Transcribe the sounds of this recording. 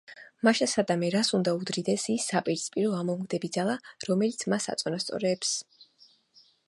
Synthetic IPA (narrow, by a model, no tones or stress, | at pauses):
maʃasad̪amɛɾasund̪aud̪ɾid̪ɛsisːapʼiɾspʼiɾɔamɔmɡd̪ɛbid̪zalˠaɾɔmɛlit̪sʰmasa̰t̪sʼɔnast̪sʼɔ̰ɾɛːps